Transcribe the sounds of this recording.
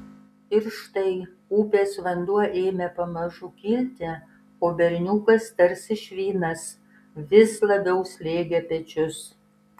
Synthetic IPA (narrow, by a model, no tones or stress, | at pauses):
ɪɾʃt̪ɐɪ | uːpʲeːsʋɐnd̪uɔʔeːmʲɛpɐmɐʒʊkʲiːlʲt̪ʲɛ | oːbʲɛɾʲnʲuːkɐst̪ɐɾsɪʃʲʋʲiːnɐs | ʋʲɪslˠɐbʲɛʊsʲlʲeːɡʲɛpʲɛt͡ʃʲʊs